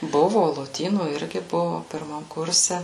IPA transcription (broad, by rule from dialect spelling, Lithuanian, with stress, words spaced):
ˈbʊʋʊ lˠoːˈtʲiːnuː ˈɪrʲɡʲɪ ˈbʊʋʊ pʲɪrˈmɐm ˈkʊrʲsʲɛ